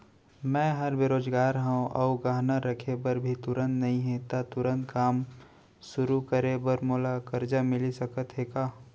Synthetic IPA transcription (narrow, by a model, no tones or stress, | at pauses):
mɛ̃ːɦəɾbeɾoːd͡ʒɡaːɾɦãõʔɔːɡaːɦnaɾəkʰebəɾbʱit̪ʊɾə̃nt̪nɐɦĩɦẽt̪at̪ʊɾə̃nt̪̚kaːm | sʊɾukəɾebəɾmoːlakəɾd͡ʒamɪlisɐkət̪ɦekaː